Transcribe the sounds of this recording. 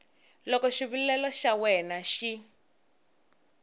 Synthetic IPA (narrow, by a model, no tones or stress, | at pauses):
lɔkɔʃiβullɛlɔʃawɛnaʃi